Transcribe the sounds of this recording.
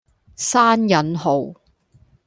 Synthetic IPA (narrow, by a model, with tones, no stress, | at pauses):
saː˥njɐ˨˥nɦo˨w